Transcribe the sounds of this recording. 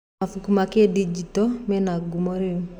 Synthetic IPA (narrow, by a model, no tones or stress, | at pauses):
afukumakedid͡ʒitɔmɛnaɡumoɾe